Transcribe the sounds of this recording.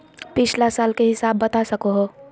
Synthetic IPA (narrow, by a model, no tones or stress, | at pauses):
pɪt͡ʃʰlasaːlkeɦɪsaːbːɐt̪asɐkoɦoː